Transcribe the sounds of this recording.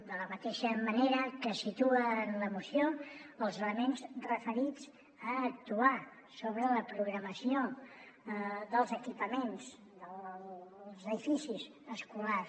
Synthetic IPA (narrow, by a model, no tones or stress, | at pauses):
d̪ələmət̪eʃəməneɾəkəsit̪uəːnləmusioəlˠzələmenzrəfəɾid͡z | əːk̚t̪ua | soβɾələpɾuɣɾəməsijo | ðəlˠzəkipəmenz | d̪ə | zəðifisiz | əskula